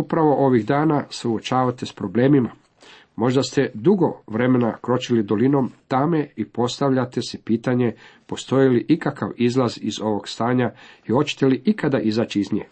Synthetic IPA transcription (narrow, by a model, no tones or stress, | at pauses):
upɾaʋo̞ʔo̞ʋiɣd̪aːnasuot͡ʃaːʋat̪e̞spɾo̞ble̞ːmima | mo̞ʒd̪ast̪e̞d̪uɡo̞ʋɾe̞me̞nakɾo̞t͡ʃilid̪o̞lino̞mt̪ameipo̞st̪aʋʎat̪esipiːt̪aɲe̞po̞st̪o̞jiliʔikaka̰ʋizlazizo̞ʋo̞ɡst̪aːɲaiho̞t͡ɕe̥t̪eliʔikad̪aʔizaːt͡ʃiizɲḛː